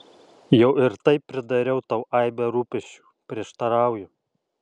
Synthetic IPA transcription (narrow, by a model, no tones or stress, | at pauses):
jɛʊɪɾt̪ɐɪpːʲɾʲɪd̪ɐɾʲɛʊt̪ɑʊʔɑɪbʲɛɾuːpʲɛʃʲt͡ʃʲu̥ːpʲɾʲiɛʃt̪ɐɾɑˑʊjʊ